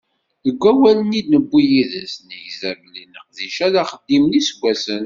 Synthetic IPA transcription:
ðəɡʷːæwælənid̪nəbʷːijiðəsnəjzæmlinəqðiʃæðæχəd̪ːimnisəɡʷːæsən

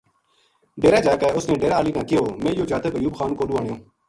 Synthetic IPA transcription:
ɖeːɾaːd͡ʒaːkaːʊsnẽːɖeːɾaːliːnãːkɪjoːmẽːjoːd͡ʒaːt̪əkəjuːbxaːnkoːɗuːaːɳɪjõː

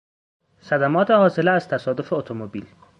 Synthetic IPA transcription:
sæd̪æmɒːt̪ʰehɒːse̞leæz̥t̪ʰæsɒːd̪o̞fe̞ot̪ʰomobiːl

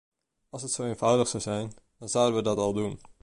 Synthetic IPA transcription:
ɑlˠsətsowejnvʌwdəχsɑwzɛjn | d̥ɑnzawdənʋədɑtɑlˠdun

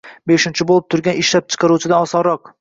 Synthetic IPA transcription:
beʃɪnt͡ʃʰɪbolˠɪp̚t̪ʰʊɾɡʲanɪʃlap̚t͡ʃʰɨ̥qʰɑɾut͡ʃʰɪd̪aɒsɒɾɒq̚

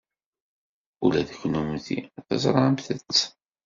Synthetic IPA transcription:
ulæðəçnumnθḭæθæ̰zˤɾˤɑʕəmθət͡sː

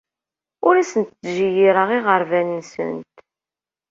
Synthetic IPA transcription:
ʊɾæsənt̪ːʒijiɾəʁiʁəɾvænnsə̰nt̪

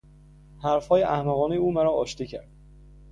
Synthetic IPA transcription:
hæɾfhɒːjeʔæhmæɣɒːnejuːmæɾɒːɒːʃt̪iːcʰæ̰ɾd̪̥

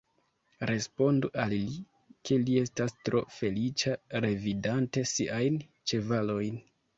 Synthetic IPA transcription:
ɾe̞spo̞nduʔalli | kʰe̞lie̞stastɾʔo̞fe̞lit͡ʃaɾe̞vidante̞siʔajn | t͡ʃe̞valo̞jn

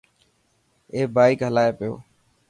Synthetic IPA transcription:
eːbaːikɦəlaːjeːpɪjo̰ː

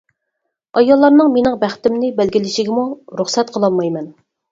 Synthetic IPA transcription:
ɑjɑlˠːɑɾnɨŋmenɪŋbæχt̪ɪmnɪbælɡʲilɪʃɪɡʲɪmuɾuχsɛt̪qʰəlˠɑlˠmɑjmɛn

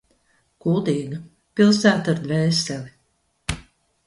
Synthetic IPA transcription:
kulˠd̪iːɡɐ | pilˠsæːt̪aɾd̪vɛːsɛli

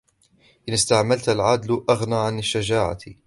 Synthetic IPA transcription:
ʔɪnɪst̪aʕmalt̪alʕad̪lʔaɣnaːʕanaʃːad͡ʒaːʕa̰

